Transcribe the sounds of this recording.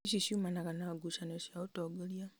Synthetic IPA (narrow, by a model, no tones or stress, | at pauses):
ʃiʃumanakanaɡuʃanoʃiautoɡolja